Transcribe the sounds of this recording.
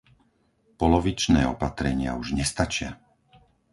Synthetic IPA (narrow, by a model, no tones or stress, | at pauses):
pɔlɔʋit͡ʃnɛ̰ːɔpat̪ɾɛɲɪa̰uʒɲɛst̪at͡ʃɪa̰